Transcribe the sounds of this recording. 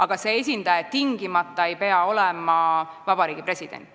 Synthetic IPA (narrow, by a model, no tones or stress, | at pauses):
ʔɑɡ̥ɑse̞es̬ʲind̪̥ɑjet̪iŋɡ̥imɑt̪ːˑɑe̞jpe̞ɑo̞lɛmɑvɑbɑɾiːɡ̥ipre̞sid̪̥ḛnt̪ːˑ